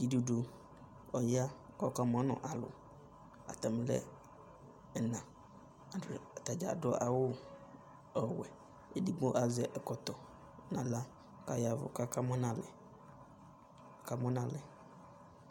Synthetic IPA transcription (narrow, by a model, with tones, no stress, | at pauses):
d͡ʒi˨du˨do˨ | ɔ˨ja˦kɔ˨ka˦mɔ̃˦nʊ̰̃˨ʔa˨lʊ̰˨ | a̰˨t̪a˨m˨lɛ̰˦˨ | nã˨ | a˨t̪a˨d͡ʒa̰˨dɔ˦ʔa˨wʊ˦ | ɔ˨wɛ˨ | e˨di˦ɡ͡bo˦ʔa˨zɛ˨ʔɛ˨kɔ˨t̪ɔ˨˦ | nã˨la˦ | ka˨ja˨vʊ̰˨ka˦ka˦mɔ̃˦nã˦˨lɛ˨ | ka˦mɔ̃˦nã˨lɛ˨